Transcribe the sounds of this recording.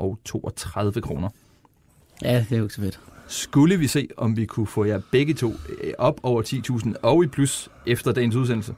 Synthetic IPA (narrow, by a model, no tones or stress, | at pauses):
ʔɒʊt͡sʰo̝̰ːɒt͡sʰʁɑð̞ˠʋəkʰʁo̝ːnɐ | jæd̥eɡ̥sfed̥sɡ̥uləʋise̝̰ːɒ̽mʋikʰufɔjæb̥eɡ̥ət͡sʰo̝̰ːʔɒ̽b̥ɒʊ̰ɐt͡sʰḭːt͡sʰṵːsn̩ɒ̽ʊipʰlusefd̥ɐd̥ɛ̰ɪn̩s̬uð̬ˠen̰l̩sə